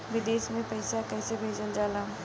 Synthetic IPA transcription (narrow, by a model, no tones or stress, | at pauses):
ʋɪd̪eːʃmẽpɐɪsakɛːsebʱeːd͡ʒənd͡ʒaːlaː